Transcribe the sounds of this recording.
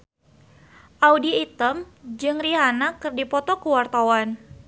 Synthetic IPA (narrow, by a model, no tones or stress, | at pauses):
ʔaudiit̪əmd͡ʒɨŋriɦanakɨrdipɔt̪ɔkəwart̪awan